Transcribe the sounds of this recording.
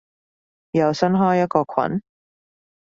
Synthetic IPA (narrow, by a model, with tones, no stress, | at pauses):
jɐ˨˧wsɐ˥nɦɔː˥jɐ˥t̚kɔː˧kʷʰɐ̰˨˥n